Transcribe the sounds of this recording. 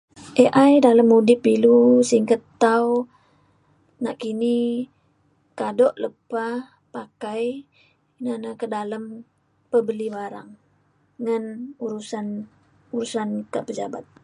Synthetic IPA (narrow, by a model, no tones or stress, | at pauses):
ʔeʔajdaləmːudipilusiŋkət̪ːaw | naʔkini | kadɔʔləpa | pakaj | nanakədaləm | pəbəlibaɾa̰ŋː | ənuɾusan | uɾusankaʔpəd͡ʒabat̪̚